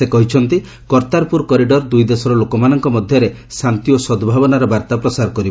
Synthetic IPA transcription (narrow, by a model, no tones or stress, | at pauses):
sekɔɦit͡ʃʰɔnt̪i | kɔɾt̪aɾpuɾkɔɾiɖɔɾd̪ujd̪esɔɾɔlokɔmanɔŋkɔmɔd̪ʱjɔɾe | sant̪iosɔd̪bʱabɔnaɾɔbaɾt̪apɾɔsaɾɔkɔɾibɔ